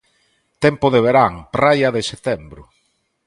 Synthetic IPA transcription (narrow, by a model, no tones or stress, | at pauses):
t̪ɛmpʊðeβeɾaŋpɾajɐðɪset̪ɛmbɾʊ